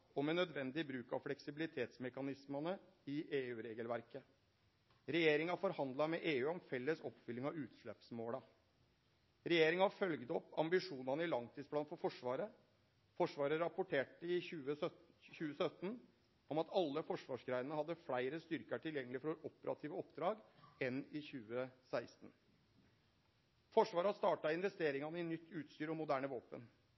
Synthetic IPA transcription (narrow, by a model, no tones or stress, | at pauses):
ɔmɛnːœd̪ʋɛnd̪ɪbɾʉːkɑ̰ʋflɛksɪbɪlɪt̪ʰeːt̪smɛkɑnɪsmənəɪʔeːʉːɾeːɡəlʋæɾkə | ɾɛjeːɾɪŋɑfɔɾhɑnd̪lɑmɛʔeːʉːɔmfɛlːəsɔpfʏlːɪŋɑʋʉːt̪ʂɭɛpsmoːlɑ | ɾɛjeːɾɪŋɑfœlɡd̪əɔpːɑmbɪʂuːnɑnəɪlɑŋt̪ʰiːsplɑnfɔɾfɔʂʋɑːɾə | fɔʂʋɑːɾəɾɑpʊʈʰeːʈəɪʉːəçʉːəsœt̪ːn | ɔmɑt̪ʰɑlːəfɔʂʋɑːʂɡɾæɪnənəhɑd̪ːəfɽæɪɾəst̪ʏɾkəʈʰɪljɛŋːəlɪfɔɾoɾɔpəɾɑ̰t̪ʰiːʋəɔpd̪ɾɑːɡɛnɪçʉːəsæɪst̪n | fɔʂʋɑːɾəɑst̪ɑːʈɑɪnʋɛst̪eːɾɪŋɑnəɪnʏt̪ʰːʉːt̪st̪yːɾɔmːʊd̪æːɳəʋoːpə̰n